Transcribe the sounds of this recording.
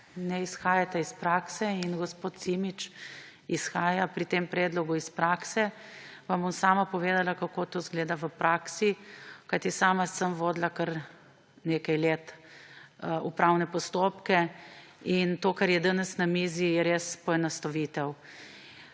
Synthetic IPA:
nɛisxaːjat̪ɛispɾaːksɛinɡɔspoːt̪simit͡ʃ | isxaːjapɾit̪eːmpɾɛːd̪lɔɡuispɾaːksɛʋambomsaːmapɔʋeːd̪alakakoːt̪oːzɡleːd̪aʋəpɾʔaːksikajt̪isaːmasəmʋoːd̪lakəɾ | neːkajleːt̪ | upɾawnɛpɔst̪oːpkɛ | int̪oːkaɾjɛd̪anɛsnamiːzijɛɾeːspɔɛnast̪aʋit̪ɛw

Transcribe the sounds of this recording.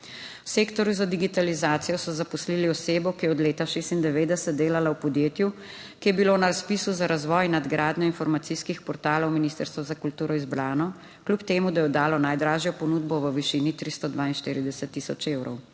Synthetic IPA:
wseːkt̪ɔɾjuzad̪iɡit̪alizaːt̪sijɔsɔzapɔsliliɔseːbɔwkijɛɔd̪leːt̪aʃeːst̪ind̪ɛʋeːd̪ɛsɛt̪̚d̪eːlalawpɔd̪jeːt̪ju | kijɛbiloːnaɾaspiːsuzaɾazʋɔjnad̪ɡɾaːd̪ɲɔinfɔɾmat̪siskixpɔɾt̪aːlɔwminist̪əɾst̪ʋɔzakult̪uːɾɔizbɾaːnɔ | klʲupt̪eːmud̪ajɛɔd̪aːlɔnajd̪ɾaːʒjɔpɔnud̪bɔʋəʋiʃinit̪ɾist̪ɔd̪ʋaːinʃt̪iːɾid̪ɛsət̪ːisɔt͡ʃeːwɾɔ̰w

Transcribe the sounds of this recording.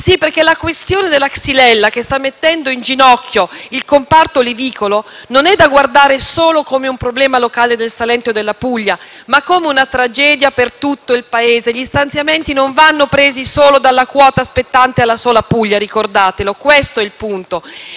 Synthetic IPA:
sipːerkelakwest̪joːned̪elːaksilɛlːakest̪amːet̪ːɛnd̪oind͡ʒinɔkʰːjoilkompart̪oliviːkolononɛd̪ːaɡward̪aːɾesoːlokomeumpɾoblɛːmalokaːled̪elsalɛnt̪od̪elːapuʎːa | makːomeunat̪ɾad͡ʒɛːd̪japert̪ut̪ːoilpaeːzeʎist̪ant̪sjament̪inoɱvanːopɾeːzisoːlod̪alːakwɔːt̪aːspet̪ːant̪ealːasoːlapuʎːaɾikord̪aːt̪elokwest̪oɛilpunt̪o

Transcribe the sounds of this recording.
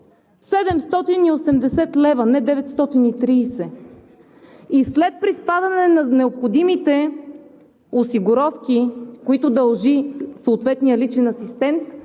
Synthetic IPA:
sɛd̪ɛmst̪ɔt̪iniosɛmd̪ɛsɛt̪lɛvɐnɛd̪ɛvɛt̪st̪ɔt̪init̪ɾiːsɛ | islɛt̪̚pɾispad̪ɐnɛnɐnɛopxod̪imit̪ɛ | osiɡʊɾɔfkikoit̪ʊd̪ɐlˠʒisoot̪vɛt̪nijəlit͡ʃɛnɐsist̪ɛnt̪

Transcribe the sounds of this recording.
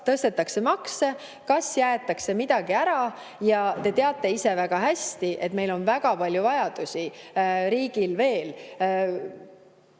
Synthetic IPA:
t̪ɤst̪e̞t̪ːˑɑkse̞mɑkse | kɑsjæet̪ːˑɑkse̞mid̪̥ɑɡ̥iæɾɑ | jɑt̪e̞t̪e̞ɑt̪ːˑe̞ise̞væɡ̥ɑɦæst̪iʔe̞t̪ːme̞jlo̞nvæɡ̥ɑpɑlʲjuvɑjɑd̪̥usiɾiːɡ̥ilve̞ːl

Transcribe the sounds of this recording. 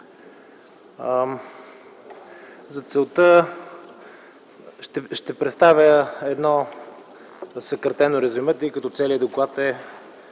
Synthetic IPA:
zɐt̪sɛlˠt̪ə | ʃt̪ɛʃt̪ɛpɾɛt̪st̪avʲjəɛd̪nɔ | səkəɾt̪ɛnoɾɛzʲumət̪ɛikɐt̪ɔt̪sɛliəd̪oklˠat̪ɛ

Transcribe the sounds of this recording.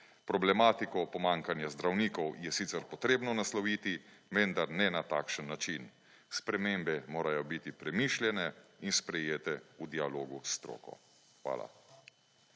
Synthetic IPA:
pɾɔblɛmaːt̪ikɔpɔmaŋkanjazd̪ɾawniːkɔwjɛsit̪sɛɾpɔt̪ɾeːbnɔnaslɔʋiːt̪iʋɛnd̪aɾnɛnat̪a̰ːkʃənːat͡ʃin | spɾɛmembɛmoːɾajɔbit̪ipɾɛmiːʃljɛnɛinspɾɛjeːt̪ɛud̪ialoːɡust̪ɾo̰ːkɔ̰ | xʋa̰ːla̰

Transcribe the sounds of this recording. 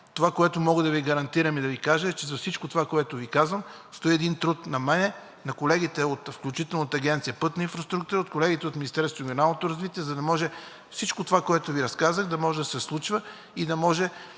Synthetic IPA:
t̪ovakoɛt̪omɔɡəd̪ɐviɡɐɾɐnt̪iɾɐmid̪ɐvikaʒɛɛt͡ʃɛzɐfsit͡ʃkot̪ovakoɛt̪ʊvikazvəm | st̪oiɛd̪int̪ɾut̪nɐmɛnɛ | nɐkolɛɡit̪ɛot̪fklʲut͡ʃit̪ɛlˠnət̪əɐɡʲɛnt̪siəpɤt̪nəinfɾɐst̪ɾuk̚t̪uɾəot̪̚kolɛɡʲit̪ɛot̪mʲinist̪ɛɾsvʊɾɪɡʲionalˠnot̪oɾɐzvit̪iɛzɐd̪ɐmɔʒɛ | fsit͡ʃkot̪ovakoɛt̪oviɾɐskazəɣd̪ɐmɔʒɛd̪ɐsɛslˠut͡ʃvə | id̪ɐmɔʒɛ

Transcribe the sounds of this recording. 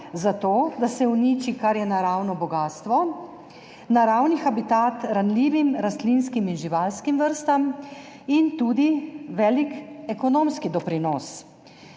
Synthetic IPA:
zat̪oːd̪asɛunit͡ʃikaɾjɛnaɾawnɔbɔɡaːst̪ʋɔ | naɾawnixabit̪at̪ɾanliːʋimɾast̪linskiminʒiʋalskimʋəɾst̪am | int̪uːd̪iʋɛːlikɛkɔnoːmskid̪ɔpɾinɔs

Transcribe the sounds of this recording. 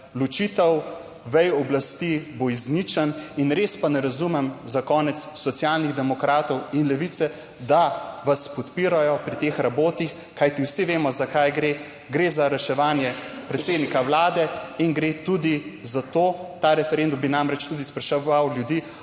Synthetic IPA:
lut͡ʃit̪ɛw | ʋɛjɔblast̪iboiznit͡ʃəninɾeːspanɛɾazumɛmzakɔːnɛt̪sːɔt̪sʲjaːlniɣd̪ɛmɔkɾaːt̪ɔwinlɛʋit̪sɛ | d̪aʋaspɔt̪piːɾajɔpɾit̪eːxɾaboːt̪ix | kajt̪iwsiʋeːmɔzakajɡɾe | ɡɾeːzaɾɛʃɛʋaːnjɛpɾɛt̪seːd̪nikawlaːd̪ɛinɡɾet̪ud̪izat̪oːt̪aɾɛfɛɾend̪umbinamɾɛt͡ʃt̪ud̪ispɾɛʃɛawljud̪iː

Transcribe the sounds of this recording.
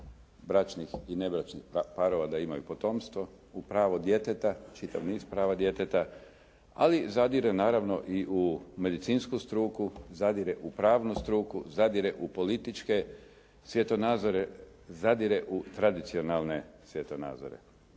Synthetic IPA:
bɾat͡ʃnixine̞bɾat͡ʃnixpaɾoʋad̪aimajupo̞t̪o̞ːmst̪ʋo̞ | upɾaːʋod̪je̞t̪et̪at͡ʃit̪a̰ʋniːzpɾaːʋad̪je̞t̪et̪a | a̰lizad̪iɾenaːɾaʋno̞ʔiʔume̞d̪it̪siːnskust̪ɾuːkuzad̪iɾeʔupɾaːʋnust̪ɾuːkuzad̪iɾeʔupo̞lit̪it͡ʃke̞ | sʋje̞t̪onaːzoɾe | zad̪iɾeʔut̪ɾad̪it̪sio̞nalˠne̞sʋje̞t̪ona̰ːd̪zo̰ɾḛ

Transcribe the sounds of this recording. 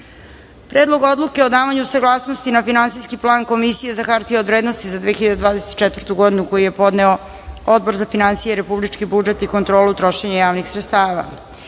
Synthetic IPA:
pɾʔeːd̪lˠo̞ɡo̞d̪lˠuke̞o̞d̪aːʋaɲusaɡlˠaːsno̞st̪inafinansiskiplˠaːŋko̞misije̞zaxaɾt̪iod̪vɾe̞ːd̪no̞st̪izad̪eːxiʎad̪ed̪vaːd̪eset̪t͡ʃɛt̪vərt̪uɡo̞d̪inuko̞jije̞po̞d̪neo | od̪̚bo̞ɾzafinansijeɾe̞publit͡ʂkibud͡ʒe̞t̪iko̞nt̪ɾo̞ːlut̪ɾo̞ʃeɲajaːʋnixsɾet̪st̪aːʋa̰

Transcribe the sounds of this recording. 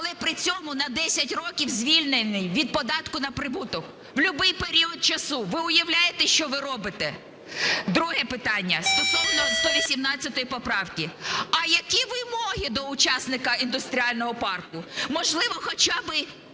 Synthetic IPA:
ɐlˠɛpɾɪt͡sʲɔmʊnɐd̪ɛsʲɐtʲrɔkʲiwzʲʋʲilʲnenɪjʋʲid̪̚pɔd̪ɑt̪kʊnɐpɾɪbut̪ɔk | ʋwlʲʊbɪjpeɾʲiɔt̪̚t͡ʃɐsuʋɪʊjɐwlʲajet̪ɛʃt͡ʃɔʋɪɾɔbɪt̪ɛ | d̪ɾuɦɛpɪt̪ɑnʲːɐst̪ɔsɔwnɔd̪ɔʋʲisʲimnɑt͡sʲːɐt̪ɔjipɔpɾɑwkʲiɐjɐkʲiʋɪmɔɦid̪ɔʊt͡ʃɑsnɪkɐind̪ʊst̪ɾʲiɑlʲnɔɦɔpɑrkʊmɔʒlˠɪʋɔxɔt͡ʃabɪ

